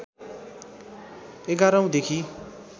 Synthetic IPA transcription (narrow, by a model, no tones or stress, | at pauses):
eɡaɾʌw̃d̪ekʰi